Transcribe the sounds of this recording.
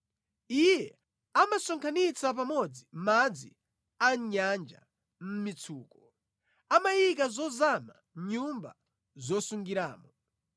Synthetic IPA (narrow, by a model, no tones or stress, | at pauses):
ijɛ | amasɔŋkʰanit͡sap̬amɔd͡zimad͡zi | aɲand͡ʒa̰ | m̩mit͡sʰuːkɔ | amajikazɔzama | ɲumba̰ | zɔsuŋɡiɾa̰ːmɔ